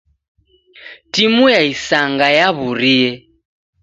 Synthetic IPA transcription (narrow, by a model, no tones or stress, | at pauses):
timujaisaŋɡajaβuɾijɛ